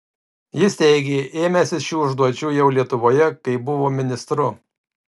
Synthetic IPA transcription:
jɪsʲt̪ʲɛɪɡʲeːʔeːmʲɛsʲɪsʃʲuːʊʒd̪uɔt͡ʃʲuːjɛʊlʲiɛt̪ʊʋoːjɛkɐɪbʊʋoːmʲɪnʲɪst̪ɾʊ

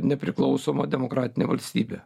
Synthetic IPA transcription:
nʲɛpʲɾʲɪklˠɒʊsoːmɐd̪ʲɛmokɾɑːt̪ʲɪnʲḛːʋɐlʲsʲt̪ʲiːbʲe

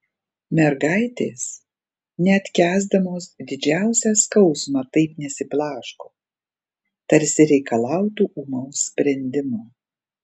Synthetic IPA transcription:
mʲɛɾɡɑɪt̪ʲeːs | nʲɛɐt̪ʲkʲæːzd̪ɐmoːsd̪ʲɪd͡ʒʲæˑʊsʲæːskɐʊsmɑt̪ɐɪpnʲɛsʲɪplˠɑːʃkoː | t̪ɐɾʲsʲɪɾʲɛɪkɐlˠɑˑʊt̪uːʔuːmoʊsʲsʲpʲɾʲɛnʲd̪ʲɪmuː

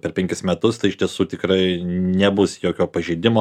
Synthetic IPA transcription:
pʲɛrpʲɛŋʲkʲɪsmʲɛt̪ʊst̪ɐɪɪʃʲt̪ʲiɛsuːt̪ʲɪkɾɐɪnʲɛbʊsjoːkʲoːpɐʒʲɛɪd̪ʲɪmoː

